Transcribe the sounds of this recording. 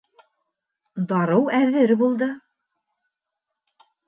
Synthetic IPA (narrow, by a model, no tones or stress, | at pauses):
d̪ɑɾɤwæðɘɾbulˠd̪ɤ